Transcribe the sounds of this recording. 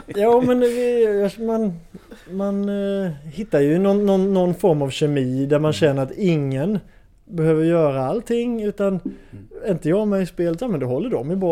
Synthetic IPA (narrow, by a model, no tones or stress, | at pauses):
jɑːmɛnvɪjɑmanman | hɪt̪ːajɵnɔnːɔnːɔnfɔɾmavɕɛmiːd̪æɾmanɕɛnːəɾat̪ɪŋːən | bɛhøːvəɾjœːɾaalt̪ʰɪŋːʉ̟ːt̪an | ɪnt̪əjɑːmɛspeːlət̪jɑːmɛnd̪ɛɦɔlːəɖɔmjəbɑ